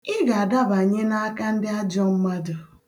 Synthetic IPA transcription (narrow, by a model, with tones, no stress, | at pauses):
ɪ˦ɣa˨a˨da˦ba˨ɲe˦na˦a˦ka˦n̩˦dɪ˦a˦d͡ʒɔ˦m̩˦ma˦dʊ˨